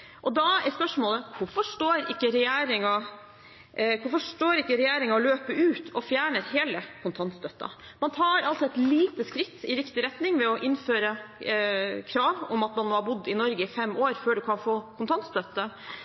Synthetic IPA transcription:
ʔɔd̪ɑɛspœʂmoːləkʊfɔʂʈoːɾɪkːəɾɛjeːɾɪŋɑ | kʊfɔʂʈoːɾɪkːəɾɛjæːɾɪŋɑɔløːpəʔʉːt̪ʰɔfjæːɳəɾɦeːləkʰʊnt̪ʰɑnt̪st̪œt̪ːɑ̰ | mɑnt̪ʰɑːɾɑlsɔɛt̪liːt̪əskɾɪt̪ːɪɾɪkt̪ɪɾɛt̪nɪŋʋɛɔʔɪnføːɾə | kʰɾɑːʋɔmɑt̪mɑnmoːhɑɾbʊd̪ːɪnɔɾɡəɪfɛmːoːɾføːɖʉkʰɑnfoːkʰʊnt̪ʰɑnt̪st̪œt̪ːə

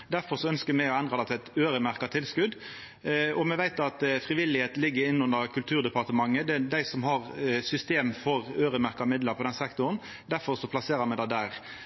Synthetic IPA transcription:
d̪æɾfɔɾʂɔœnskəɾmæɪɔɛnd̪ʁɑd̪ɛt̪ʰɛt̪øːɾəmæɾkɑt̪ʰɪlskʉd̪ | ɔmɛʋæɪt̪ɑt̪fʁɪʋɪlːɪheːt̪nlɪɡːəɾɪnːʊnəɾkʰʉlt̪ʰʉːɾd̪ɛpɑɾt̪əmɑŋːəd̪ɛd̪æɪsɔmhɑʁsʏst̪eːmfɔʁøːɾəmæɾkɑmɪd̪ləpʰɔd̪ɛnsɛkt̪ʊɾən | d̪æɾfɔɾsɔpʰlɑseːɾəmɛd̪æɪd̪æːʁ

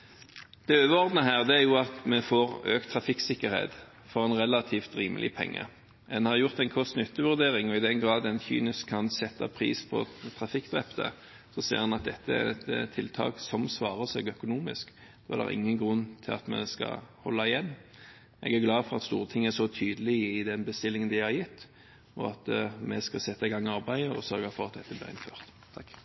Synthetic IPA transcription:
d̪̥ɛøːʋəɔʁd̪nəɦæːʁd̪ɛæʁjʊɑt̪mɛfoːʁøːkt̪ʰʁɑfɪksɪkːəʁhḛːt̪ | fɔʁɛnʁɛlɑt̪ʰiːft̪ɾiːməlʔɪ̰pʰɛ̰ŋːə̰ | ɛnhɑʁjʊʁt̪ɛɪnkʰɔst̪nʉt̪ːəʋʉʁd̪eːʁɪŋɔɪd̪ɛnɡʁɑːd̪ɛnçy̰ːnɪskʰːɑnsɛt̪ːɑ̰pʰʁḭːspʰɔ̰t̪ʰʁɑfɪkːd̪ʁɛpt̪ə̰ | sɔsḛːʁhɑnɑt̪̚d̪ɛt̪ːəæ̰ɛ̰t̪t̪ʰːɪlt̪ʰɑ̰ːksɔmsʋɑːʁəsɛɡœkʊnuːmɪsk | d̥̪oːæ̰ɾd̪ɛ̰ʁʔɪ̰ŋːənɡʁʉnːt̪ʰɪlɑ̰t̪mɛ̰skɑ̰hɔlːɑɪjɛnː | ʔɛ̰ɡæɾɡlɑːfɔʁɑt̪st̪uːʁət̪ʰɪŋːəæsɔt̪ʰyːd̪əlɪɪd̪ɛnbəst̪ɪlːɪŋənd̪ɪhɑɾjɪt̪ː | ɔɑt̪mɛskɑsɛt̪ːɑɪɡɑŋːɑɾbæɪəɔ̰sœɾɡɑfɔɾʁɑt̪̚d̪ɛt̪ːəblɪ̰ːʁɪ̰nføːʁt̪ʰːɑkː

